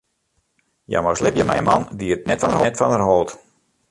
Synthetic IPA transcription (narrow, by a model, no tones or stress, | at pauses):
ja̰moslɪpjəmɛ̰jəmɑ̰ndiət̚nɛtfɔnərɦtfɔnərɦolˠt